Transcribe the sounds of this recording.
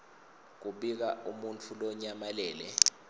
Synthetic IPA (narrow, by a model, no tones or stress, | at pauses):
k̬uɓik̬aʔumunt͡fʰulɔɲamalɛːlɛ̰